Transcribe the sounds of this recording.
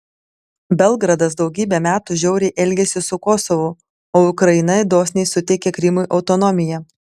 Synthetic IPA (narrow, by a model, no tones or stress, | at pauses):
bʲɛlˠˑɡɾɐd̪ɐsd̪ɒʊɡʲiːbʲɛmʲæːt̪uʒʲɛʊɾʲɛɪʔɛlʲɡʲɛsʲɪsʊkɔsɔʋʊ | oːʊkɾɐɪnɐd̪oːsʲnʲɛɪsʊt̪ʲɛkʲɛkɾʲɪmʊjʔɐʊt̪ɔnɔmʲɪjɛ